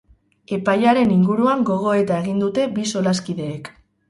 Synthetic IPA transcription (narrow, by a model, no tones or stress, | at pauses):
e̞pajaɾe̞niŋɡuɾuaŋɡo̞ɣ̞o̞e̞t̪ae̞ɣind̪ut̪e̞biso̞laskiðe̞ːk